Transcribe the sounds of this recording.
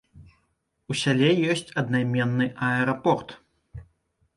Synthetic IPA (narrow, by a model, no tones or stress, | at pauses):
usʲalʲɛjɔsʲt͡sʲɐd̪najmʲɛnːɨʔɐɛɾapɔrt̪